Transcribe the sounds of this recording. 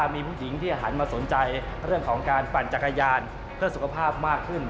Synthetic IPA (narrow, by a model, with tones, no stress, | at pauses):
miː˧pʰuː˥˩ji˩˦ŋt̪ʰiː˥˩ʔaː˧˩ɦaː˩˦nmaː˧so˩˦nt͡ɕa˧j | ɾɯ˥˩əŋkʰɔː˩˦ŋkaː˧npa˨˩n̚t͡ɕa˨˩kːa˧jaː˧n | pʰɯ˥˩əsu˨˩kʰa˧pʰaː˥˩p̚maː˥˩kʰːɯ˥˩n